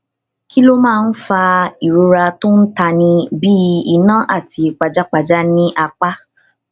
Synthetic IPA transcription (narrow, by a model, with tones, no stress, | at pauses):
ki˦lo˦mãː˦˨˧n̩˦fa˧i˨ɾu˨˧ɾa˧to˦n̩˦ta˧nĩ˧bi˦i˧˨nã˦ʔa˦˨tʰi˧k͡pa˧˨d͡ʒa˦k͡pa˧d͡ʒa˦nĩ˦ʔa˧k͡pa˦